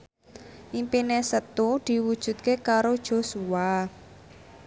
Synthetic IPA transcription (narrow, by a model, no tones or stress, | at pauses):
ʔimpinesət̪ud̪̥i̤wud̥ʒ̥ṳt̪̚kekaɾod̥ʒ̥o̤sua